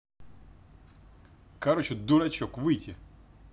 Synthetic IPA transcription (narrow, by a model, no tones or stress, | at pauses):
kɐɾot͡ɕɪd̪ʊɾɐt͡ɕokvɨjtʲɪ